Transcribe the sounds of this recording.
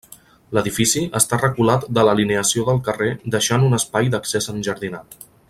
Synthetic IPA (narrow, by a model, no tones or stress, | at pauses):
ləðifisiʔəst̪arəkulat̪d̪ələlineəsioðəlˠkəred̪əʃanunəspajd̪əksezənʲʒəɾðinat̪